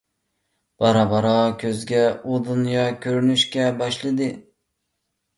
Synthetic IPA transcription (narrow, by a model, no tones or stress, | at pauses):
b̥ɑɾɑbɑɾɑkʲʰøzɡʲɛod̪unjɑkʲʰøɾynyʃkʲɛbɑʃlˠɨd̪ɨ